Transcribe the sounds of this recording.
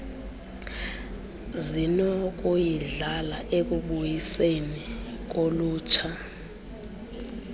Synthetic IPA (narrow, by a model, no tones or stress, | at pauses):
zinɔk̬ʼujiɮalaʔek̬uɓujisenik̬oluːt͡ʃʰa